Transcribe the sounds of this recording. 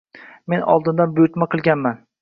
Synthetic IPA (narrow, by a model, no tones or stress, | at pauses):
me̞nɒ̰lˠd̪ɪnd̪anbʊjʊt̪maqʰɨlˠɡʲanman